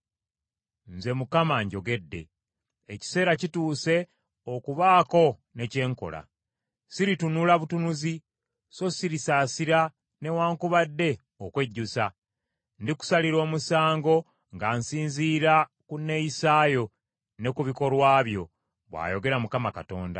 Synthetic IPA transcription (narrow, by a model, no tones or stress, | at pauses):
nze̞mukamaɲɟo̞ɡe̞dːe̞̰ː | ci̥se̞ːɾacituːse̞ | okuβaːko̞ne̞ce̞ːŋko̞̰la̰ | siɾitunulaβutunuzi | so̞siɾisaːsiɾa | ne̞waːŋkuβadːe̞ | okwe̞ɟːusa | ndiku̥saliɾo̞ːmusaːŋɡo̞ | ŋɡaːnsiːnziːɾa | kune̞jisaːjo̞ | ne̞kuβiko̞ɾwaːβjo̞̰ | βwa̰ːjo̞ɡe̞ɾamukamakato̞ːnda̰